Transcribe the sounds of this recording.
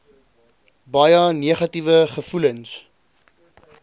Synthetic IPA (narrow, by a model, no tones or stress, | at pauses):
bɐjɐniəχɐtivəχəfuləns